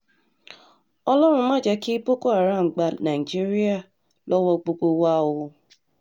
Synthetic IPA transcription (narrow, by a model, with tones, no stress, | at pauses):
ɔ˦lɔ˦ɾʊ˨˦ma˦d͡ʒa˦ki˦po˦ko˦a˨ɾa˦˨ŋ͡m̩˨ɡ͡ba˨na˨i˨d͡ʒi˦ɾi˦a˦˨ | lɔ˦wɔ˦ɡ͡bo˦ɡ͡bo˦wa˦˨wʊ˨